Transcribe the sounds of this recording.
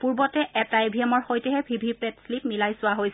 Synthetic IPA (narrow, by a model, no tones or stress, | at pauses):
puɹbɔtɛʔɛtajbʱiɛmɔɹxojtɛɦɛbʱibʱipɛtslipmilajsʊwaɦojs